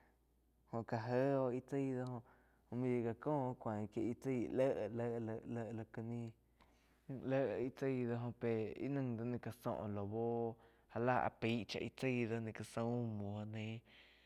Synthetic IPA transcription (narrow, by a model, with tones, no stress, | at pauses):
hõ˧ʔka˧ɦə˦o˧ʔi˦˧t͡si˦˨d̪o˧hõ˧ | o˧ʔmĩ˧je˧ka˧kõː˦˧kʷã˨kje˧ʔi˧t͡si˦˧˨lə˦ʔlə˧˦ʔə˧lə˧˨ʔlo˧kə˧nĩ˦˧ | lə˦ʔi˦t͡si˦˧˦d̪o˧ɦõ˧pe˨ḭ˦nɨ̃˧ŋd̪o˧nĩ˧ka˧sõ̰˧˨ʔlo˨bo˦ | ha˧la˦˧˨a̰˨pi˨˦ʔt͡ʃa̰˧ʔi˧t͡si˦˨d̪o˧nĩ˧ka˧sõ˧˦˧mõ˨˦nẽ˧˦